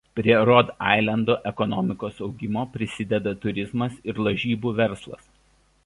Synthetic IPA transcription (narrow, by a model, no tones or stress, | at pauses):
pʲɾʲiɛɾɔd̪ɑ̰ˑɪlʲˠɐnd̪oːʔɛkɔnɔmʲɪkoːsɒʊɡʲɪmoːpʲɾʲɪsʲɪd̪ʲɛd̪ɐt̪ʊɾʲɪzmɐsɪɾlˠɐʒʲiːbuːʋʲɛɾslˠɐ̰s